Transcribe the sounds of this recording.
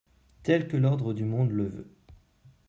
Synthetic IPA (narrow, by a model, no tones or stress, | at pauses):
t̪ɛlkəlɔʁd̪ʁəd̪ymɔ̃d̪ləvø̰